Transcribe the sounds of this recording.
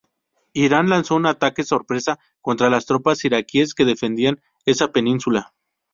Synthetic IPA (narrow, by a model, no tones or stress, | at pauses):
iɾanlanso̞unat̪ake̞so̞ɾpɾe̞sa | ko̞nt̪ɾalast̪ɾo̞pasiɾakie̞ske̞ðe̞fe̞nd̪ian | e̞sape̞nĩnsula